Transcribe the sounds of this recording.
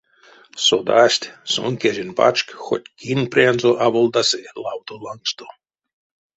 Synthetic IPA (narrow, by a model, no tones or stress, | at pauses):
sod̪asʲt̪ʲso̰nkʲeʒʲinpa̰t͡ʃkxo̰t̪ʲkinprʲanzoʔaβolˠd̪aselˠawt̪olˠaŋkst̪o